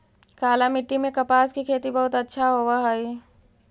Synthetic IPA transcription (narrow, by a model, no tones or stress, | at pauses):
kaːlamɪʈːimẽkɐpaːskikʰeːt̪ibɐɦʊt̪ɐtːʃʰaɦoːwaɦaiː